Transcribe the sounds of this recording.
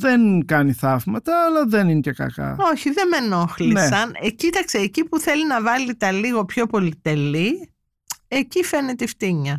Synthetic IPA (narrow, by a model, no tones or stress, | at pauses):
ðenkɐniθɐvmɐt̪ɐːlɐðeninecekɐ̰kɐ̰o̞çiðe̞me̞no̞xlinseɐnecit̪ɐkseːcipuθe̞linɐvɐlit̪ɐliɣo̞pço̞po̞lit̪e̞li | e̞cife̞net̪ft̪iɲɐ